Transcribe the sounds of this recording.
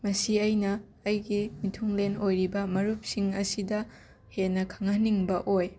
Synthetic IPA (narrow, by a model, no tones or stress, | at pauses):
mɐsiɐjnɐː | jɡimitʰuŋlenojɾibɐmɐɾup̚siŋɐsidɐ | henːɐkʰɐŋaniŋbɐʔoj